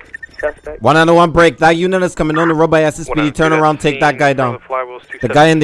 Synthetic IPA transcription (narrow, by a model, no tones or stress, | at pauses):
wʌ̃nə̃nəwʌ̃nbɹeɪk̚ðət̚jʉnɨɾɨz̥kʰʌmɪ̃ŋə̃nəɹoʊbaɪɛsɨspiɾitʰɜ̃˞nə˞ãʊ̃ndtʰeɪk̚ðɨt̚ɡ̥aɪdãʊ̃nðɨɡaɪɨ̃nð